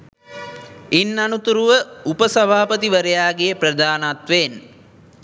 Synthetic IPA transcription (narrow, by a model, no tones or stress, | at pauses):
inːanut̪uɾuʋəupəsɐbʱaːpət̪iʋəɾejaːɡejəprəd̪aːnat̪ʋen